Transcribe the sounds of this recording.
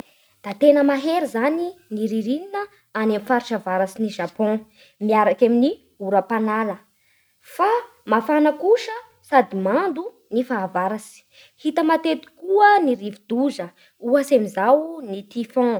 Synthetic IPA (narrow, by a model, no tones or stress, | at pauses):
d̪̥at̪enəmaɦeɾizaniniɾiɾininə | anamifaɾiʃavaɾasiniʒapɔ̃ | miaɾakamini | uɾəpanalə | fa | mafanəkuʃə | sad̪imand̪u | nifaːvaɾasi̥ | hit̪əmat̪et̪i̥kuəniɾivid̪uzə | uasemizawnit̪ifɔ̃